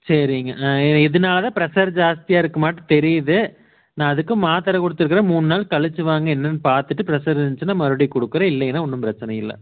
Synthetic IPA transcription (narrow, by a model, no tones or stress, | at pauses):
sɐɾɪŋɡɐɪðɐnaːlɐðãːpɪɾɐsɐɾd͡ʒaːst̪ɪjaːɪɾɯkːɯmaːʈːɯ̃t̪ɛɾɪjɐðɯ | nãːɐðɯkːɯmaːt̪ɐɾɐkɔɽɯt̪ːɯɾɯkːɪɾɐmuːnɯnaːlkɐɭɯt͡ʃːɯʋaːŋɡɐɛnːɐnːɯpaːɾt̪ɯʈːɯpɪɾɐsɐɾnt͡ʃːɯnːaːmɐɾɯɽikɔɽɯkːɯɾɐ̃ɪlːɐjɛnːaːɔnːɯmpɪɾɐt͡ʃːɐnɐjɪlːɐ̰